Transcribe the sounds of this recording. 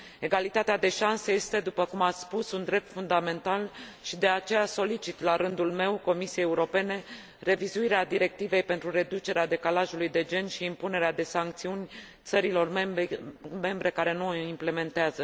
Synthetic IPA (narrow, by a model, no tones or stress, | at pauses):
e̞ɡalit̪at̪ead̪e̞ʃansəje̞st̪e̞d̪upəkumaspusund̪ɾe̞p̚t̪fund̪ame̞nt̪alʃid̪e̞at͡ʃe̞jaso̞lit͡ʃit̪laɾɨnd̪ulme̞wko̞misiejeuɾo̞pe̞ne̞ | re̞vizuiɾead̪iɾe̞k̚t̪ive̞jpe̞nt̪ɾuɾe̞d̪ut͡ʃe̞ɾead̪e̞kalaʒulujd̪e̞d͡ʒe̞nʃiːmpune̞ɾead̪e̞saŋk̚t̪siunʲ | t̪səɾilo̞r | me̞mbɾe̞kaɾe̞nuimple̞me̞nt̪eazə